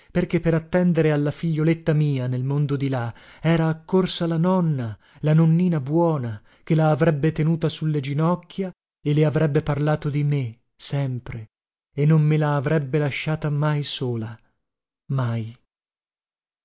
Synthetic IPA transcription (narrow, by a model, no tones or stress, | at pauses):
perkepːeɾat̪ːɛnd̪eɾealːafiʎːolet̪ːamiːanelmond̪od̪ilaɛːɾaːkːorsalanɔnːa | lanonːiːnabwɔːna | k̟elaːvɾɛbːet̪enuːt̪asulːed͡ʒinɔkːja | eleavɾɛbːeparlaːt̪od̪ime | sɛmpɾe | enːommelaːvɾɛbːelaʃːaːt̪amajsoːla | maj